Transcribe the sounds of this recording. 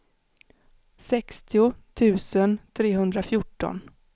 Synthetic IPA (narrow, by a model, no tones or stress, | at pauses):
sɛkst̪ɪʊt̪ʰʉ̟ːsənt̪ʰɾeːɦɵnd̪ɾafjʊʈːɔ̰n